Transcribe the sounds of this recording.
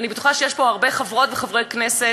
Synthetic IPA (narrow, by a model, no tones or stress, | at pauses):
anibet̪uχaʃejeʃpo̞aʁbe̞χavʁo̞tveχavʁejknese